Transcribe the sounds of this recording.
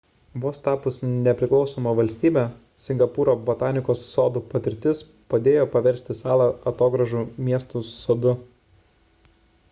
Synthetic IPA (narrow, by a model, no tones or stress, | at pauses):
ʋoːst̪ɑːpʊsnʲɛpʲɾʲɪklˠɒʊsoːmɐʋɐlʲsʲt̪ʲiːbʲɛ | sʲɪŋɡɐpuːɾoːbɐt̪ɑːnʲɪkoːsːoːd̪upɐt̪ʲɪɾʲt̪ʲɪs | pɐd̪ʲeːjoːpɐʋʲɛɾʲsʲt̪ʲɪsɑːlˠɑɐt̪oːɡɾɐʒuːmʲiɛst̪uːsoːd̪ʊ